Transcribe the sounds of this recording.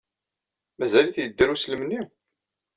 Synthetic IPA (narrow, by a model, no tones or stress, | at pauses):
mæzæliθjəd̪ːəɾusləmənːi